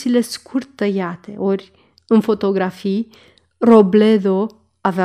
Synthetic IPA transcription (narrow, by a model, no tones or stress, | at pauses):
ileskʰuɾt̪ːəjat̪ḛʔoɾʲ | ɨnfot̪oɡɾafi | robled̪o | ave